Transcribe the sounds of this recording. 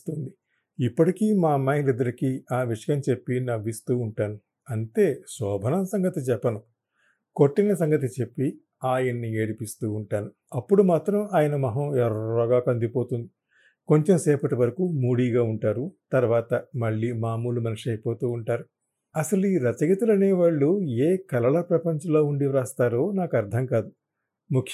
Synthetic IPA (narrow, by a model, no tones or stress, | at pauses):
t̪und̪i | ipːɐʈikiːmaːmɐjnɾid̪ɐɾɐkiaːʋiʂɐjɐmt͡ʃe̞pːinɐʋist̪uːɳʈaːnu | ɐnt̪e̞ːsɔːbʱɐnɐmsɐŋɡɐt̪it͡ʃɛpːɐnu | ko̞ʈːinɐsɐŋɡɐt̪̬it͡ʃe̞pːi | aːjɐnːieːɽipist̪uːɳʈaːnu | ɐpːuɽumaːt̪ɾɐmaːjɐnɐmɐɦɐːɛɾɐːɡaːkɐnd̪ipoːt̪und̪i | ko̞ɲt͡ʃemsɛːpɐʈiʋɐɾɐkumuːɽiːɡaːuɳʈaːɾut̪ɐɾʋaːt̪ɐmɐɭːiːmaːmuːlumɐniʂɐjpoːt̪uːɳʈaːɾu | ɐsɐluiːɾɐt͡ʃɐɡɐt̪ulɐneːʋaːɭːueːkɐlɐɭɐpɾɐpɐɲt͡ʃɐloːuɳɖiʋɾaːst̪aːɾo̞ːnaːkɐɾd̪ʱɐmkaːd̪u | mukʰ